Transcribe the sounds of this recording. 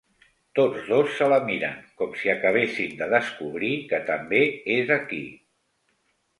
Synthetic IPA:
t̪od͡zðosːələmiɾə̰ŋkɔmsiəkəβ̞esimd̪əðəskuβ̞ɾikət̪əmbeezəki

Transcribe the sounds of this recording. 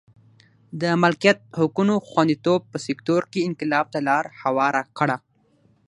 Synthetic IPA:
d̪əmalkijat̪̚hʊkunoxwand̪it̪ob̚pəsɪkt̪oɾkeɪŋkɪlɑb̚t̪alɑɾhawɑɾakəɽa

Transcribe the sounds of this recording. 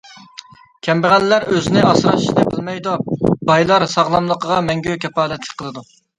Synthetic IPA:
kʲʰɛmbɪʁællæɾøzɪnɪɑsɾɑʃi̥ʃnɨbɪlmɛjd̪obɑjlˠɑɾsɑʁlˠɑmlˠəqəʁɑmɛŋɡʲøkʲʰɛpɑːlɛt̪ʰlɪ̥kʲqʰəlˠɨd̪u

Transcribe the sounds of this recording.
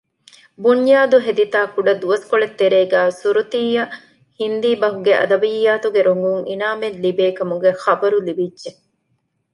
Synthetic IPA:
buɲjaːd̪uɦed̪it̪aːkuɖɐd̪uɐskoɭet̪ːeɾeːɡæːsuɾut̪iːjɐ | hind̪iːbɐɦuɡeʔɐ̰d̪ɐbijːaːt̪uɡeɾoŋɡuŋḭnaːmenlibeːkɐmuɡexɐbɐɾulibidʒe

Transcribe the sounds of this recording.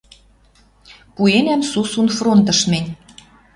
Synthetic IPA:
puenʲæmsusunfront̪ɤ̆ʃmenʲ

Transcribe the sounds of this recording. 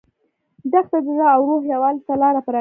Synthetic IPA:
d̪axt̪ad̪əzaːwɾohjawɑlt̪alɑɾapəɾɑ

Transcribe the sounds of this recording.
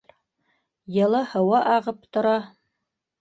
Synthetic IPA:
jɤ̆lˠɑhɤ̆wɑʔɑʁɤpt̪ŏɾɑ

